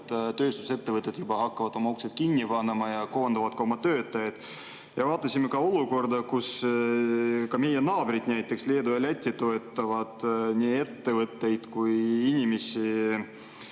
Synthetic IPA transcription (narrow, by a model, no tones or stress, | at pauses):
t̪t̪ø̞ːst̪u̥se̞t̪ːe̞vɤt̪ːˑed̪̥jubɑhɑkːɑvɑd̪̥o̞mɑukset̪̚kinʲːipɑnːemɑjɑko̞ːnd̪̥ɑvɑd̪̥kɑo̞mɑt̪øːt̪ːˑɑjɑd̪̥ | jɑvɑːt̪ˑːɑsʲimekɑo̞luko̞rd̪ɑkus | kɑme̞jenɑːbɾid̪næjt̪ːˑe̞ksleːd̪uelʲæt̪ʲːit̪o̞et̪ˑːɑvɑd̪̥nʲiːe̞t̪ːe̞vɤt̪ːe̞jd̪̥kujinʲimesi